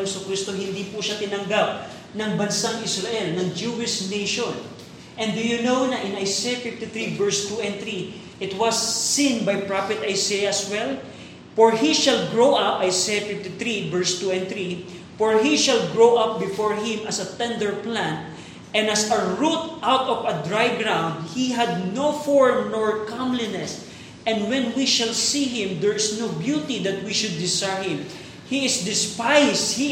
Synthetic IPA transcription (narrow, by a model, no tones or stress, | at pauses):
sʊkɾist̪oɦɪ̃nd̪ipuʃat̪ɪnɐŋɡap̚ | nɐŋbɐnsaŋɪsɹɐʔɛlnɐŋd͡ʒuɪʃnejʃõn | ʔɛ̃nd̪ʊjʊnownɐʔɪ̃nɐjsejafɪft̪ɪθɾivɛɹst̪uɛ̃nθɾi | ʔɪt̪wɐsːĩnbajpɹafɛt̪ɐjsejaswɛl | fɔɹhiʃɐlɡɹowʔɐpʔɐjsejɐfɪft̪ɪθɾivɛɹst̪uɛ̃nθɾi | fɔɹɦiʃalɡɹowʔʌp̚bɪfɔɹhɪ̃mɐsɐt̪ɛ̃nd̪əɹplæ̃nt̪̚ | ʔɛ̃nd̪ɐsɐɹut̪̚ʔawt̪ɔvɐd̪ɹajɡɹãw̃nd̪̚hiɦad̪̚nofɔɹmnɔɹkãmlinɛs | ʔɛ̃nd̪wɛ̃nwiʃalsiɦɪ̃md̪ɛɹɪsnowbjut̪id̪ɐt̪̚wiʃʊd̪̚ːɪsahɪ̃m | hiɪsd̪ɪspajs̚hi